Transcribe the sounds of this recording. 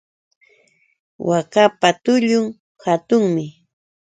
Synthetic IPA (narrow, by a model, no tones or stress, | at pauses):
wʔakapat̪ʊʎʊŋ | hat̪ʊŋmɪ